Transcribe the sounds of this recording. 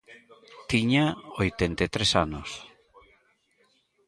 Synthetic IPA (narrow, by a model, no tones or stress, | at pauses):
t̪iɲaojt̪ent̪et̪ɾesanos